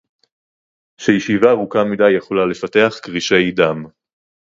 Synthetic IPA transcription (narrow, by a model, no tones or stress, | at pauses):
ʃejiʃivaʁukamidajːeχo̞lale̞fate̞aχkʁiʃe̞jd̪am